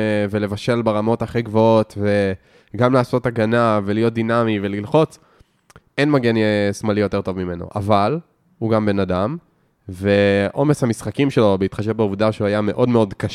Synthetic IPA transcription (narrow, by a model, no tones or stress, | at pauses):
vele̞vaʃe̞lbeʁamo̞taχiɡvo̞o̞t̪ve̞ | ɡamlaːso̞taɡanavelijo̞t̚d̪inamive̞lilχo̞t͡s | enmaɡenjesmalijo̞te̞ʁt̪o̞vmime̞no̰ʔa̰val | huɡambe̞nadam | veʔo̞meshamisχakimʃelo̞beit̪χaʃevbeuvdaʃeuajame̞ʔo̞dmeo̞dkaʃ